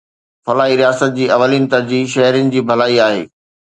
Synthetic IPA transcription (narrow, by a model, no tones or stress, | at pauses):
fɐlaːiɾijaːsət̪̚d͡ʑiːɐʋəlinɪ̆t̪ɐɾd͡ʑiːʃɐɦɾənɪ̆d͡ʑiːbʱɐlaːiaːɦḛː